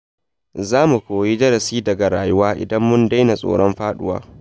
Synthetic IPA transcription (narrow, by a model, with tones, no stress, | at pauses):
zaː˦mu˨kʷoː˨ji˦d͡ʒɐ˦ɾɐ˨siː˦dɐ˨ɡa˨ɾaː˨jʊ˦waː˦ʔɪ̰˨dɐ˦mːʊ˦nda˦jna˨sʼo̰ː˨ɽɔ˦mɸaː˦ɗʊ̰˦wa̰ː˦